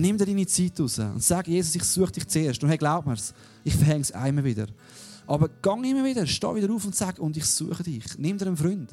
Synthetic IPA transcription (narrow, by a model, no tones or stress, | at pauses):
nɪmd̪ɛdiːnit͡siːtʊsə̰ʊ̰ndsæɡjeːsʊsɪχsuəχəd̥ɪχt͡seːɾʃtʊndhɛɡlaʊp̚məɾs | ɪχfəɾɦhɛŋsa̰ɪmːəvɪdə̰ɾ | ʔɑbəɾɡ̥ɑŋɪmːəɾvɪdəɾʃtɑ̰ːvɪdəɾuːfʊntsæɡʊndɪχsuəχədɪχnɪmdɛɾənfɾʏnd̥